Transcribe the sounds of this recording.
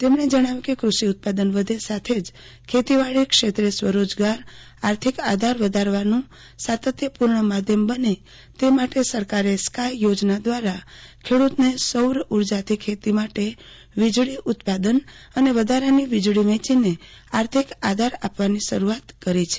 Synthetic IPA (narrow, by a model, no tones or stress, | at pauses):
t̪emɳed͡ʒəɽ̃aʋikekɾuʃiʊt̪̚pad̪ənʋəd̪ʱesat̪ʰed͡ʒ | kʰet̪iʋaɭikʃet̪ɾesʋəɾod͡ʒɡaɾ | aɾt̪ʰikad̪ʱaɾʋəd̪ʱaɾʋanũ | sat̪ət̪jəpuɾɳəmad̪ʱjəmbəne | t̪emaʈesəɾkaɾeskajjod͡ʒnad̪ʋaɾakʰeɽut̪nesəwɾuɾd͡ʒat̪ʰikʰet̪imaʈe | ʋid͡ʒɭiʔʊt̪pad̪ənəneʋəd̪ʱaɾaniʋid͡ʒɭiʋɛ̃t͡ʃineaɾt̪ʰikad̪ʱaɾapʋaniʃəɾuat̪kəɾit͡ʃʰe̥